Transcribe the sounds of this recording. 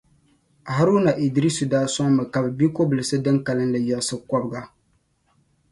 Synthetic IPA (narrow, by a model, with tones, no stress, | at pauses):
ha˦ɾna˨ʔi˨dɾi˦su˨daː˦sɔ˦ŋmɨ˨ka˨bɨ˨bi˦ko˦bɨ˨lɨ˨sɨ˦dɨ˦ŋka˨lɨ˦nlɨ˨jɛ˨sɨ˦kɔ˦bɨ˨˦ɡa˦